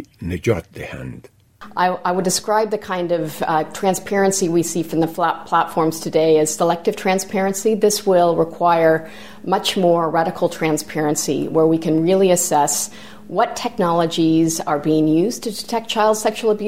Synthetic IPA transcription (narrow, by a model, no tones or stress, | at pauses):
nɨd͡ʒɔ̰t̚ðɨhɛ̰̃nd̥ | ʔaɪʔaɪwədɨskɹaɪb̚ðɨkʰãɪ̃ndʌv̥tʰɹ̥æ̃nspʰɛɹɨ̃nsiwisifɹʌ̃mðɨfpʰl̥ætfɔɹmz̥tʰɨdeɪɨz̥səlɛk̚tɨv̥tʰɹ̥æ̃nspʰɛɹɨ̃nsiðɪswɪlˠɹəkʰw̥aɪə˞ | mʌt͡ʃmɔɹɹæɾɨkʰl̩ˠtʰɹ̥æ̃nspʰɛɹɨ̃nsḭwə˞wikʰɨ̃nɹɪlˠiɨsɛs | wʌtʰɛk̚nɑlˠəd͡ʒizə˞biɪ̃ŋjʉztʰɨdɨtʰɛk̚t͡ʃʰaɪlˠd̥sɛkʃul̩ˠəbj